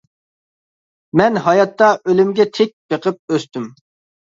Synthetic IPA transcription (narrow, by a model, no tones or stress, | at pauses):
mɛnɦɑjɑt̪ːɑʔølymɡʲɛt̪ʰek̚ʲb̥eqʰəp̚øst̪ym